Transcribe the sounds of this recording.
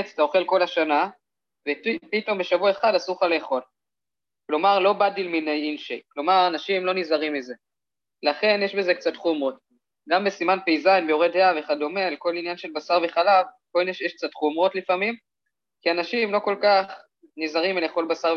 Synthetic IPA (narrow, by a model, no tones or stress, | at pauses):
t͡st̪ao̞χe̞lko̞laʃana | vepito̞mbe̞ʃavuae̞χadasuχale̞ːχo̞l | klo̞maʁlo̞badilminejinʃeklo̞maʁanaʃimlo̞nizaʁimːize̞ | laχe̞njeʃbe̞ze̞kt͡sat̪χumʁo̞t̚ | ɡambe̞simanpejzajnbeoʁedheave̞χad̪ome̞lko̞linjanʃe̞lbasaʁveχalavkoineʃjeʃk̚t͡sat̪χumʁo̞tlifamim | kianaʃimlo̞ko̞lkaχ | nizaʁimileːχo̞lbasaʁ